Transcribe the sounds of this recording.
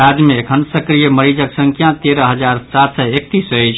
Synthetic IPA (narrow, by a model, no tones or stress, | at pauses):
ad͡ʒmeːkʰənsəkɾijəməɾid͡ʒəksəŋkʰjãt̪eɾəɦəd͡ʒaɾsat̪səek̚t̪isəjt͡ʃʰ